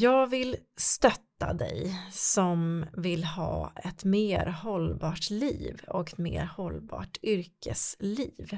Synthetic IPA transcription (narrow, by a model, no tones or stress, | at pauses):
jɑːɡvɪlst̪œt̪ːad̪ɛjsɔmvɪlhɑːɛt̪meːɾhɔlbɑːʈliːvɔkɛt̪mḛːɾhɔlːbɑ̰ːʈʏɾkʰəsliːv